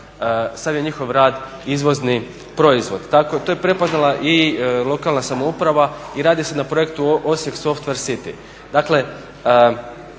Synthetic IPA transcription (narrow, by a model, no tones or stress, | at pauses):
samje̞ɲixo̞ʋɾaːd̪ | izʋo̞zni | pɾo̞izʋo̞d̪t̪akot̪ojepɾe̞po̞znalaʔilˠo̞kaːlˠnasamoupɾaʋaiɾaːd̪isenapɾo̞jekt̪uʔosje̞kso̞ft̪ʋe̞ɾsit̪ḭ | d̪akle̞ | ə